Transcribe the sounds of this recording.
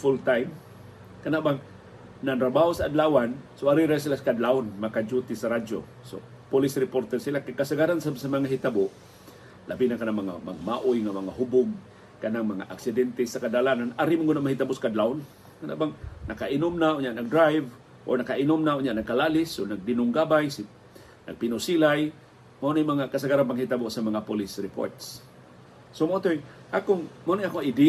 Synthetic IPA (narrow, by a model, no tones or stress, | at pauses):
fʊlt̪ajm | kanaʔbaŋ | nant̪ɾabahosaːd̪lawansoʔaɾiɾas̬ilakad̪laʊnmakad͡ʒut̪ɪsaɾad͡ʒo̰ | so̰ | pʊlɪsɾɪpoɾt̪ɛɾsilakakasaɡaɾansasamaŋaɦit̪abʊʔ | labinakanaŋmaŋa̰ma̰ɡmaʔʊjŋamaŋaɦʊbʊŋ | kanaŋmaŋa̰ʔaksɪd̪ɛnt̪ɛsakadalananaɾimʊŋɡʊnaʔmahit̪abʊʔskad̪laʊn | kana̰ʔbaŋnʔakaʔɪnʊmnaʔoɲaʔnaɡ̚dɾajv | ʔo̰nakaʔinʊmnaʔoɲaʔnaɡ̚kalalɪsonaɡ̚dɪnʊŋɡabajs | na̰ɡ̚pinʊsilaj | maʔunajmaŋakasaɡaɾanpaŋhit̪aboʔsamaŋapolɪsɾɪpo̰ɹt̪s | somaot̪oiŋ | ʔakʊŋmaonjʔakoŋid̪i